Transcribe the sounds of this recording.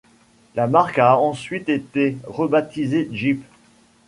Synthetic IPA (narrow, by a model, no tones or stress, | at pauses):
lamaʁkaɑ̃sɥit̪et̪eʁəbat̪izeʒip